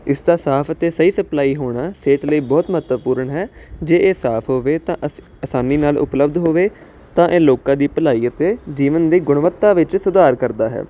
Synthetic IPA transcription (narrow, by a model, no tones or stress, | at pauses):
ɪsd̪aːsaːpʰət̪eːsəiːsəplaːiːɦoːɽaːseːʈləiːbɔːt̪mət̪əpuːɾəɳɦɛːd͡ʒeːʔeːsaːpʰɦoːʋeːt̪ãːʔ | əsaːniːnaːlʔʊ̰pləbd̪ɦoːʋeː | t̪ãːʔeːloːkãːd̪iːpəlaːiːət̪eːd͡ʒiːʋənd̪iːɡʊɳʋət̪ːaːʋɪt͡ʃsʊd̪aːɾkəɾd̪aːɦɛ̰ː